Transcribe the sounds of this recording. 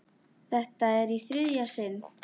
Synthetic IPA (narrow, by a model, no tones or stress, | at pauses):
θɛht̪aɛɾiθɾɪðjasɪn